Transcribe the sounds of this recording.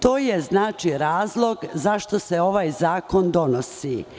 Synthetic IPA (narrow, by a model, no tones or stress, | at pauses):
t̪o̞ːjeznaːt͡ʃiɾaːzlˠo̞ɡzaʃt̪o̞seo̞ʋaːjzaːko̞nd̪o̞nosi